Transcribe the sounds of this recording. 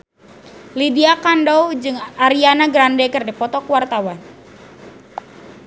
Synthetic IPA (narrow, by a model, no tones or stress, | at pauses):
lidiakandɔwd͡ʒɨŋʔaɾianaɡɾandɛkɨrdipɔt̪ɔkuwart̪awan